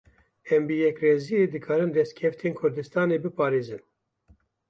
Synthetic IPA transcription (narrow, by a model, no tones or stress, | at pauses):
ɛmbɨjɛkreːzijeːd̪ɨkʰɑːɾɨnd̪ɛst̪̚kʰɛft̪ʰeːnkʰʊɾd̪ɨst̪ɑːneːbɨpʰɑːɾeːzɨn